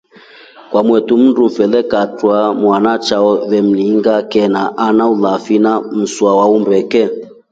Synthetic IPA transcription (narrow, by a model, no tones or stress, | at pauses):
kwamwɛtum̩ndumfɛlɛkatwamwanat͡ʃaɔβɛm̩liŋɡakɛnaʔanaulafinam̩swawaumbɛkɛ